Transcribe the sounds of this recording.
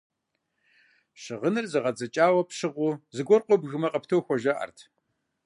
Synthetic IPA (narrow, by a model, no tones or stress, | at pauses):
ɕɨʁənɨrzɨʁɐd͡zɐt͡ʃʼaːwɐpɕɨʁʷʊzɨɡʷɔrqʷʼɔbɣɨmɐqʼɐptʰowxʷɔʒɐʔɐ̰rtʰ